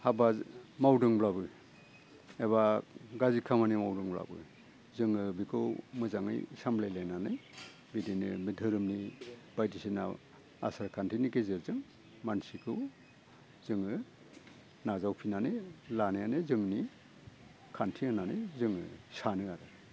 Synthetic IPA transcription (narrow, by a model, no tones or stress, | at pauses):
habazmawdɯŋblabɯ | eβaɡazikʰamanimawdɯŋbla̰bɯ̰ | zɯŋɯbikʰɯwmɯzaŋɯ̰jsamblajlajnanɯ̰j | bidinɯbidʱɯɾɯmnibajdisina̰ | a̰saɾkʰantʰinikezɯɾzɯŋ | mansikʰɯw | zɯŋɯ | nazawpʰinanɯlanajanɯzɯŋni | kʰantʰiɯnanɯjzɯŋɯ̰sanɯaɾɯ